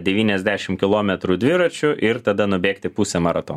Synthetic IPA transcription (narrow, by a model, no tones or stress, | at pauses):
d̪ʲɛʋʲiːnʲɛzʲd̪ʲæːʃʲɪmkʲɪlˠoːmʲɛt̪ɾuːd̪ʲʋʲɪɾɐt͡ʃʲʊʔɪɾt̪ɐd̪ɐnʊbʲeːkt̪ʲɪpusʲɛmɐɾɐt̪o̰ːn